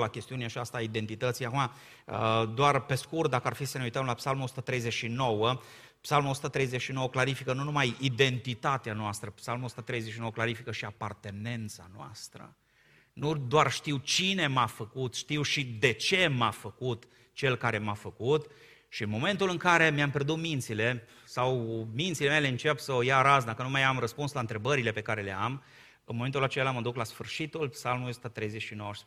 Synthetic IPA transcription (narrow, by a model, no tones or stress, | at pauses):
lakʲe̞st̪iuneat͡ʃast̪aid̪e̞nt̪it̪ət̪sijakuma | əd̪oarpe̞skurt̪̚d̪akəarfisəneujt̪əmlapsalmuosu̥t̪ət̪ɾe̞jzet͡ʃʃino̞wə | psalmuo̞su̥t̪ət̪ɾejzeʃino̞wəklaɾifikənunumajid̪e̞nt̪it̪at̪eanoast̪ɾəpsalmosu̥t̪ət̪ɾe̞jzet͡ʃʃinowəklaɾifikəʃiapart̪e̞ne̞nt̪sanoa̰st̪ɾə̰ | nud̪oarʃt̪iwt͡ʃine̞mafəkut̪ʃt̪iwʃid̪e̞t͡ʃe̞mafəkut̪ | t͡ʃe̞lkaɾe̞mafəkut̪ | ʃiɨnmo̞me̞nt̪ulɨŋkaɾe̞mjamperd̪ut̪mint̪sile̞ | sawmint̪sileme̞le̞ɨnt͡ʃepsəojaɾas̬d̪akənumajamrəspunslaɨnt̪ɾe̞bəɾile̞pe̞kaɾe̞le̞am | ɨnmoment̪ulat͡ʃelaməd̪uklasfɨrʃit̪ulpsalmulusu̥t̪ət̪ɾe̞jzet͡ʃʃinowəʃis